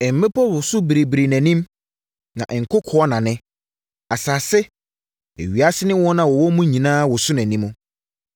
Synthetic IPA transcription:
ɛ˨m̩˨mẽ˦pʰɔ˦wʊ˨sʊ˦bɾe˨bɾe˨næ̃˨nĩ˦m | nã̰˨ʔɛ˨ŋ̩˨kʰʊ˦kʰʊ˨˦ɔ˦nã˨nɪ̃˦ | a˨saː˨sɛ˦ | ḛ˨ɥi˨a˦sɪ˦nɪ̃˦wɔ˦nã˨wɔ˨wɔ˦mũ˦ɲĩ˨nãː˦wɔ˨sʊ˦næ̃˨nĩ˦mʊ̃˦

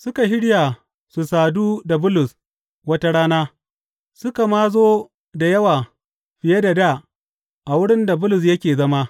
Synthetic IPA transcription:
sʊ˦ka˨ɦɪ˦ɽja˨ | su˨saː˨duː˦da˨bʊ˦lʊ˨s | wɐ˦ta˦ɽaː˦naː˦ | sʊ˦ka˨maː˦zoː˦ | da˨jɐ˦waː˨ | ɸɪ˨je˦da˨daː˦˨ | ʔa˨wʊ˦ɽɪ˦nda˨bʊ˦lʊ˨s̬jɐ˦kʲeː˨zɐ˦ma˦

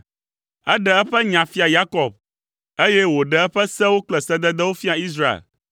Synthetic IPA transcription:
ɛ˦ɖɛ˨ɛ˦ɸɛ˦ɲã˨fi˦a˨ja˦kɔ˨b̚ | e˦jɛ˦wo˨ɖɛ˨ɛ˦ɸɛ˦sɛ˦wo˦k͡plɛ˨sɛ˦d̪ɛ˦d̪ɛ˦wo˦fi˦a˨i˦s̬ɾa˦ḛ˨l

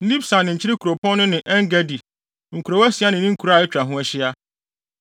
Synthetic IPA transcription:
li˦bsa˨nːɪ̃˨ɲ̩ʰ˨ɪ˦ɾɪ˦kʰu˨ɾo˨pʰɔ̃˦nʊ̃˦nɪ̃˨ʔɛ˦ŋ˦ɡɛ˦di˨ | ŋ̩˨kʰu˨ɾo˨wɛ˦sɪ˨a˦nɪ̃˨nĩ˦ŋ̩˦kʰu˨ɾa˦˨ɛ˦t͡ɕᶣɾa˨ɦʊ̃˦ɛ˦ɕɪ˦a˦

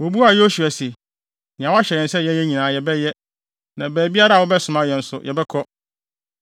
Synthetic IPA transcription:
wo˨bu˦a˨jo˦su˨a˨se˨ | nɪ̃˨ã˨wa˦ɕɛ˨ɾɛ̃˨n̩˦sɛ˦˨jɛ˦ɛ˦ɲĩ˨nãː˨˦jɛ˨bɛ˦jɛ˦ | nã˨bæː˨bi˦a˦ɾa˦˨wɔ˦bɛ˦sʊ̃˨mã˦jɛ˨n̩˦sʊ̰˨jɛ˨bɛ˦kʰɔ˦

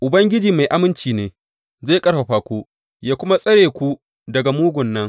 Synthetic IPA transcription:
ʔʊ˨bɐ˦ŋɡʲɪ˦d͡ʒiː˨ma˨jʔa˦mɪ˦nt͡ʃiː˨neː˨ | zaː˦˨kʼɐ˦ɽɸa˨ɸaː˨kʷuː˦ | jaː˦kʷʊ˦ma˦sʼɐ˦ɽeː˨kʷu˦ | dɐ˨ɡa˨muː˦ɡʷʊ˨nːɐ˦ŋ

